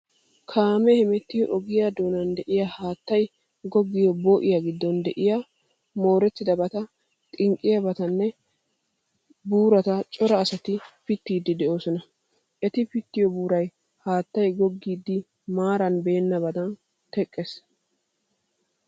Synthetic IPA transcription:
kʰaːmɛhɛmɛt̪ːɪjɔʔɔɡɪjad̪oːnɐnd̪ɛʔɪjaːhaːt̪ːɐj | ɡɔɡːɪjɔboːʔɪjaɡɪd̪ːɔnd̪ɛʔɪja | mo̞ːɾɛt̪ːɪd̪ɐbɐt̪ɐ | t̪ʼɪŋkʼːɪjɐbɐt̪ɐnːɛ | buːɾɐt̪ɐt͡ʃʼɔɾɐːsɐt̪ɪpɪt̪ːiːd̪ːɪd̪ɛʔo̞ːsɔnɐ | ʔɛt̪ɪpɪt̪ːɪjɔbuːɾɐj | haːt̪ːɐjɡɔɡːiːd̪ːɪ | maːɾɐnbe̞ːnːɐbɐd̪ɐn | t̪ɛkʼːɛs

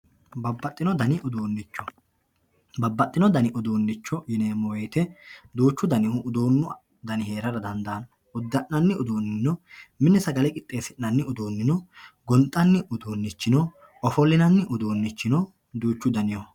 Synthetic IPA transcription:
bɐbːɐt̪ʼːɪnɔd̪ɐnɪʔʊd̪uːnːɪt͡ʃːɔ | bɐbːɐt̪ʼːɪnɔd̪ɐnɪʔʊd̪uːnːɪt͡ʃːɔjɪneːmɔwɛjt̪ɛd̪uːt͡ʃːʊd̪ɐnɪhʊʔːd̪uːnːʊ | d̪ɐnɪhe̞ːɾɐɾɐd̪ɐnd̪ɐːn | ʊd̪ːɐʔɐnːɪʊd̪uːnːɪnɔmɪnːɛsɐɡɐlɛkʼɪt̪ʼːe̞ːsɪnːɐnːɪʊd̪uːnːɪnɔɡɔnt̪ʼːɐnːɪʔʊd̪uːnːɪt͡ʃːɪnɔ | ʔɔfɔlːɪnɐnːɪʔʊd̪uːnːɪt͡ʃːɪnɔ | d̪uːt͡ʃːʊd̪ɐnɪjɔ

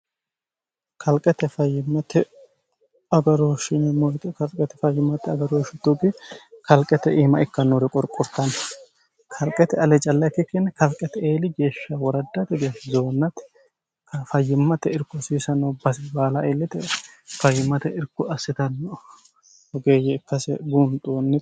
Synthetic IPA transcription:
kʰɐlkʼɛt̪ːɛfɐjːɪmːɐt̪ɛ | ɐɡɐɾoːʃɪnɛmɔjt̪ʼɪkɐlkʼɛt̪ːɛfɐjːɪmːɐt̪ːɛɐɡɐɾoːʃɪd̪uɡɪkɐlkʼːɛt̪ɛʔiːmɐɪkːɐnːɔɾɛkʼɔɾkʼʊɾt̪ːɐn | kʰɐlkʼɛt̪ɛɐlɛt͡ʃʼɐlːɐkːɪkːenːɛkɐlkʼːɛt̪ɛeːlɪɡe̞ːʃːɐwɔɾɐd̪ːɐt̪ɛɡeːʃzoːnːɐt̪ɪ̥ | kɐfɐjːɪmːɐt̪ɛɪɾkːʊsiːsɐnːɔbɐsbaːlɐʔeːlːɪt̪ɛfɐjːɪmːɐt̪ɛɪɾkːʊɐsːɪt̪ɐnːɔ | ɔɡeːjɛɪkːɐsɛɡunt̪ʼuːnːɪ

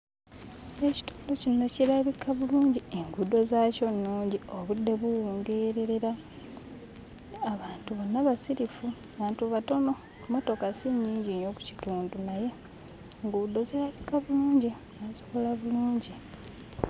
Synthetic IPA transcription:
eci̥tu̥ːndocino̞ciɾaβikʰaβuluːɲɟieŋɡudo̞zaːco̞nːuːɲɟioβudːe̞βuwuːŋɡe̞ɾe̞ɾe̞ɾa | aβaːntuβonːaβasiɾifuaβaːntuβato̞no̞ | mo̞to̞kasiɲːiːɲɟiɲoku̥ci̥tuːndunaje̞ | ŋɡudo̞zeɾaβikaβuluːɲɟi | nasokolaβuluːɲɟi

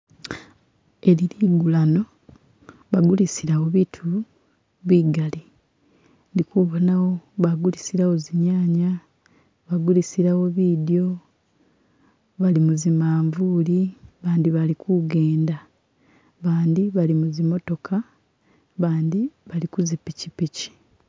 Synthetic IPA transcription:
e̞liliɡulano̞ | βaɡulisiɾawo̞βitʰu | βiːɡali | ndikuβonawo̞βaɡulisiɾawo̞ziɲaːɲa | βaɡulisiɾawo̞βidijo̞ | βalimuzimaːɱvuːliβaːndiβalikuɡe̞ːnda | βaːnd̪iβalimuzimo̞to̞kʰa | βaːnd̪iβalikuzipicipici̥

